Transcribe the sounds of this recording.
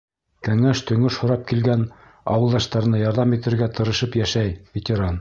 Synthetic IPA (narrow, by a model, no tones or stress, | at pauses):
kæ̆ŋæʃt̪ɵ̆ŋɵʃhŏɾɑp̚kilɡæn | ɑ̰wɤ̆lˠd̪ɑʃt̪ɑɾɤ̆nɑjɑɾðɑmit̪ɘ̆ɾɡæt̪ʰɤ̆ɾɤ̆ʃɤpjæʃæjvʲɪt̪ʲeɾan